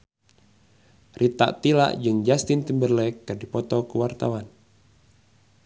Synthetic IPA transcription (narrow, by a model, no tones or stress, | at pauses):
rit̪a̰ʔt̪ila̰ʔd͡ʒɨŋd͡ʒast̪int̪imbərlɛkːɨrdipɔt̪ɔkuwart̪awan